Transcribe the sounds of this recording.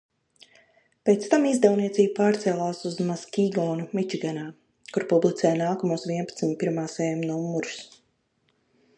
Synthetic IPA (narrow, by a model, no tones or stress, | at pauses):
peːt̪st̪amizd̪ɛwniɛt̪iːbupaːɾt̪sɛːlˠaːsuzmaskʲiɡɔːnumit͡ʃiɡanaː | kuɾpublˠit̪ɛːjnaːkɔmuɔsvʲiɛnpat̪smipːiɾmaːsɛːmnɔumːuɾus